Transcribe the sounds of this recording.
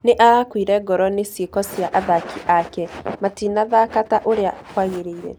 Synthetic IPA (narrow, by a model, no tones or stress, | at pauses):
neʔaɾakwiɾɛɡɔɾɔnesjekɔsjaʔaðakʰiʔakɛmatiːnaðakataʔoɾeakwaɣeɾeiɾɛ̰